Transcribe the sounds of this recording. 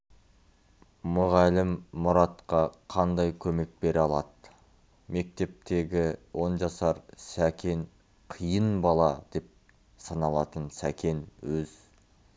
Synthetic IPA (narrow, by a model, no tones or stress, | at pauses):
mʊʁɑlɪmːʊɾɑt̪qɑqʰɑnd̪ɑjkʲʰɵme̞k̚be̞ɾɑlˠɑd̪ə | me̞k̚t̪e̞p̚t̪e̞ɡʲɪwo̞nʒɑsɑɾsækʲʰe̞n | qʰijənbɑlˠɑd̪̥e̞p̚ | sɑnɑlˠɑt̪ənsækʲʰe̞nwɵz